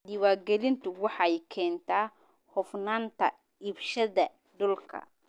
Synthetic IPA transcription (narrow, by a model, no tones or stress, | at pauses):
d̪ɪwaːɡɛlɪnt̪ʰʊwɑħɑjkʰɛːnt̪ʰaː | hɔfnaːnt̪ʰɐ | ɪbʃɐðɐ | ɖʊlkʰɐ̰